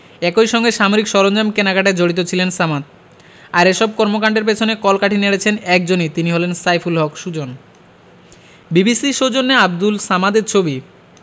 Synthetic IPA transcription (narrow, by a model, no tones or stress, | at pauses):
ɛkojʃɔŋɡeʃamoɾikʃɔɾond͡ʑamkenakaʈed͡ʑoɽit̪̬ot͡ɕʰilensamat̪̚ | aɾeʃɔb̚kɔɾmokaɳɖeɾp̬et͡ɕʰonekɔlkaʈʰineɽet͡ɕʰenɛk̚d͡ʑonit̪iniɦolensajfʰulɦɔkʃud͡ʑon | bibisiʃod͡ʑonːeab̚d̪ulsamad̪eɾt͡ɕʰobi